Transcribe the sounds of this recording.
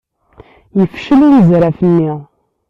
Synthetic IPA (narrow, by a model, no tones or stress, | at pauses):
jəfʃəluɾəzɾæfənːiʁ